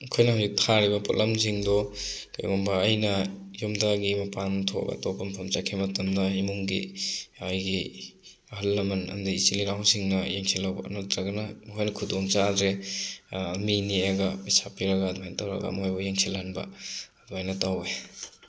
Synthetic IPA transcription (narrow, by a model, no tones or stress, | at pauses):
kʰojnɐhuwzik̚tʰaɾibɐpɔlʔɐmziŋdɔka̰jɡɔmbɐːjnɐ | jumdaɡimapantʰɔ̰ɡa̰tɔbɐmpʰamt͡ʃakʰemɐtɔmdɐimuŋɡḭajɡi | ɐɦɐlːɐmɐnɐ̰mdiisiliɾawsiŋnɐjeŋsʰelːawbɐ̰notɾaɡɐnakʰojnɐkʰudɔŋt͡ʃadɾe | minijaɡapisapiɾɐɡadumajnɐtawɾɐ̰ɡa̰mɦojbɔjeŋsʰelanbɐ̰ː | duajnɐtawe